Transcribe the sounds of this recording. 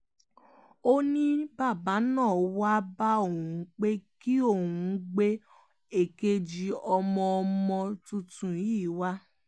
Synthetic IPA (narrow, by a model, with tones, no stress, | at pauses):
o˦nĩ˦ba˦˨ba˨˦nãː˦˨wa˦ba˦o˦˨ũ˨˦k͡pe˦ki˦o˦˨wũ˨˧˦ɡ͡be˦ | e˨ke˧d͡ʒi˧ɔ˧mɔ̃˧ɔ˧mɔ̃˧tũ˧tũ˨˦i˦˨˦wa˦